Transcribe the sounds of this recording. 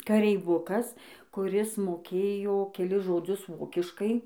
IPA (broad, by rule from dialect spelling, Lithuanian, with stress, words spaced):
kɐrʲɛɪˈʋʊkɐs kʊˈrʲɪs moːˈkʲeːjoː kʲɛˈlʲɪs ʒoːˈd͡zʲʊs ˈʋoːkʲɪʃkɐɪ